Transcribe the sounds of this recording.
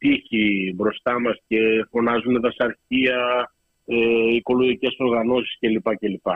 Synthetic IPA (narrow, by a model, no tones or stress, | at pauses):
t̪içibɾo̞st̪ɐmɐsce̞fo̞nɐzuneðɐsɐɾçiɐ | eiko̞loɣice̞so̞ɾɣɐno̞si̥sce̞lipɐce̞lipɐ